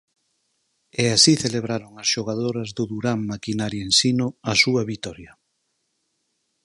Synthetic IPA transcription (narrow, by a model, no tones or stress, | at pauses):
ɛasiθeleβ̞ɾaɾoŋɐsʃoɣ̞að̞oɾɐzðʊðuɾammakinaɾjensinʊasuɐβit̪ɔɾjɐ